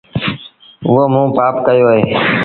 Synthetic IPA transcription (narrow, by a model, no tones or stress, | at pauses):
omũːpaːpkəjoːɦeː